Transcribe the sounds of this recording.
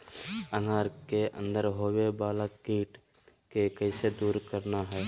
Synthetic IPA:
ənaːɾkeʔə̰̃nd̪əɾɦoːwebaːlakːiːʈ | kekɛːsed̪uːɾkəɾnaɦɛː

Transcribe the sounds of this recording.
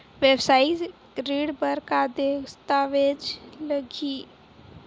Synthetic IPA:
ʋebsaːi | ɾiɽbəɾkad̪est̪aʋed͡ʒləɡi

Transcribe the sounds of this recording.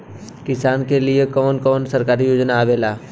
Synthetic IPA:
kɪsaːnkeliekɔːnkɔːnsəɾkaːɾijoːd͡ʒnaːʋeːlaː

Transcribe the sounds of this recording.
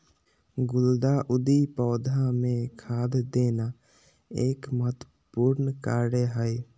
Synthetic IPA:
ɡʊld̪aʔʊd̪ipɔːd̪ʱãmẽkʰaːd̪d̪eːna | eːkmət̪ | puːɾnkaːɾəɦɛj

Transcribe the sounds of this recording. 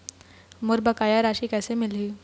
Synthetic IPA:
mʊɾbəkaːjaɾaːʃiːkɛːsemɪliː

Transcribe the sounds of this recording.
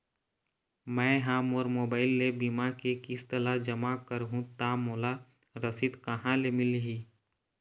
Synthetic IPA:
mɛ̃ːɦãmɔːɾmoːbaːɪlːebimakekɪst̪əlad͡ʒəmakəɾɦũt̪aːmoːla | ɾəsɪt̪kəɦãlemɪlɦiː

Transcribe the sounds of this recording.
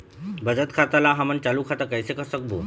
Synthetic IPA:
bəd͡ʒət̪kʰaːt̪alãɦɐmənt͡ʃaːlukʰat̪akɐisekəsək̚boː

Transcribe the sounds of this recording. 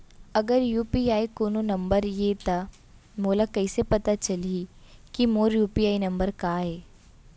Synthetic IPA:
ɐɡəɾjuːpiaːikoːnonɐ̃mbəɾjeːt̪a | moːlakɐɪsepɐt̪at͡ʃɐlikimoːɾjuːpiaːinɐ̃mbəɾkaːɦɛː

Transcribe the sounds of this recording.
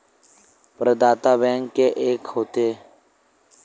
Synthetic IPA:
pəɾd̪aːt̪aːbɛ̃ːŋkːeːʔeːkɦoːt̪eː

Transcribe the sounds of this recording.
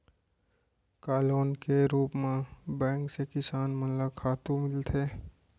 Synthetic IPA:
kaːloːnkeɾuːpmãbɛ̃ːŋksekɪsaːnmənlakʰaːt̪ũmɪlt̪ʰeː

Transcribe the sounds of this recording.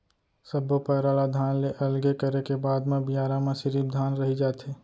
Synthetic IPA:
səbopəɾaːlad̪ʱaːnleʔɐlɡekəɾekebaːd̪mẽbijaːɾãmẽsɪɾiːb̚d̪ʱaːnɾɐɦid͡ʒaːt̪eː

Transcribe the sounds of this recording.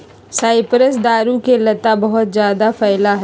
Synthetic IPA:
saːɪpɾəs̬d̪aːɾukelɐt̪abɐɦʊt̪zjaːd̪afɛːlaɦ

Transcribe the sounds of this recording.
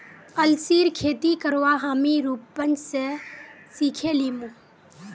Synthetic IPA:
əlsiːɾkʰeːt̪ikəɾʋaɦaːmiɾuːpːənse | siːkʰeliːmũ

